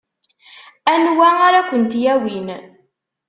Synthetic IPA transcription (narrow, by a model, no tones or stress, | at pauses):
ænwæaɾakʷːənt̪jæwin